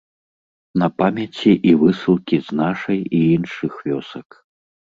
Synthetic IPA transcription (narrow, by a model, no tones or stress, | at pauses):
nɐpamʲat͡sʲiʔivɨsɨlˠkʲiznaʂɐjiinʂɨxvʲɔsɐk